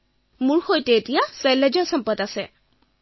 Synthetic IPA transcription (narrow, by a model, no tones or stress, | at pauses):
mʊɹxojtɛːtijasɛled͡ʒɔɹsɔmpɔtasɛ̰